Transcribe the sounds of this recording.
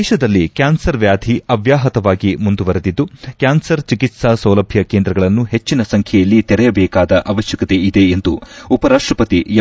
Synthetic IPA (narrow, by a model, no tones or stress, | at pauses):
ʃɐd̪ɐlːikjaːnsɐɾʋjaːd̪ʱiɐʋjaːɦɐt̪ɐʋaːɡimund̪uʋɐɾed̪id̪ːukjaːnsɐɾt͡ʃikit̪sasɐwlɐbʱjɐkeːnd̪ɾɐɡɐɭɐnːuɦet͡ʃːinɐsɐŋkʰɛjɐlːit̪ɛɾɛjɐbɛːkaːd̪ɐʔɐʋɐʃjɐkɐt̪e̞id̪e̞ːnd̪uupɐɾaːʂʈɾɐpɐt̪ijɐ